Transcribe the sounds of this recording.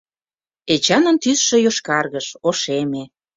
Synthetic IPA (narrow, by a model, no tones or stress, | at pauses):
et͡ɕɑnə̆nt̪ysʃĕjoʃkɑrɣəʃoʃeme